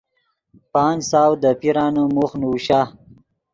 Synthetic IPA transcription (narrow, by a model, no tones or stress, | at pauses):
pɑːnsɑːwd̪əpiɾɑːnomuxnuwʃa